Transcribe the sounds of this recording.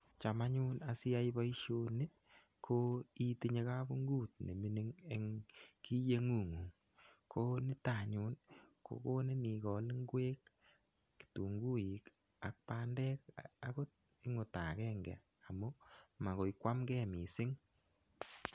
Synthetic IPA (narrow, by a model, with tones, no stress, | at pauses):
t͡ʃa˨ma˦ɲu˦na˨sɪ˦a˦ibɔ˦i˦ʃo˧ni˦ | kʰo˦i˦ti˦ɲe˧ka˦bu˦ŋɡuː˦˨t̚ne˨mi˦ni˦ŋe˨ŋki˦je˦ŋu˨ŋu˨ŋ | kʰo˦nɪ˦ta˨ɲu˦nkʰo̰˨ko˦ne˦ni˨kɔ˨lŋɡweː˦k | ktu˨ŋɡu˦ji˨k | a̰˨k̚pa˦ndɛ˦ka˦ko˦ | ɪ˦ŋʊ˨ta˨kɛː˦ŋɡɛ̰˨ | a˨mu˦ma˨ko˨jkwa˦mɡɛː˦mi˨sɪ˦ŋ